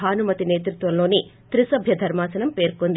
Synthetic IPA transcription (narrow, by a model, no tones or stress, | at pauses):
ɦaːnumɐt̪ine̞ːt̪ɾut̪ʋɐmloːni | t̪ɾisɐbʱjɐd̪ʱɐɾmaːsɐnɐmpe̞ːɾkond̪i